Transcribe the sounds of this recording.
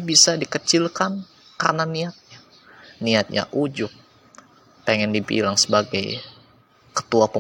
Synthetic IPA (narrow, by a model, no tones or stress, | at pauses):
bisadikət͡ʃɪlkan | ka̰rnaniat̪̚ɲa | niat̪̚ɲa̰ʔud͡ʒʊk̚ | peŋɛndibḭlaŋsəbaɡaj | kə̥t̪uapə